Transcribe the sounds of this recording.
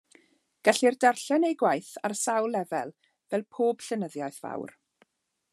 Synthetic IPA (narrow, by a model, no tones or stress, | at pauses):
ɡ̥aɬirdɛrɬɛnejɡwajθarsawlˠɛvɛlˠ | vɛlˠpʰoːb̥ɬənəðjajθv̥a̰wr